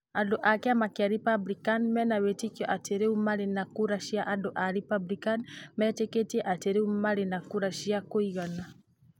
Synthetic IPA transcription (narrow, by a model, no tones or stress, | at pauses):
adoʔakeamakeaɾipablikanmɛnawetikjɔʔateɾeumaɾenakuɾaʃiaʔadoʔaɾipablikanmɛteketiɛʔateɾeumaɾenakuɾaʃiakoiɣana